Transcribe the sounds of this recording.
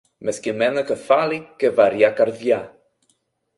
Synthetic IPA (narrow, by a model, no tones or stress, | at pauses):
mɛskimɛnəkəfalikevaɾjakaɾðja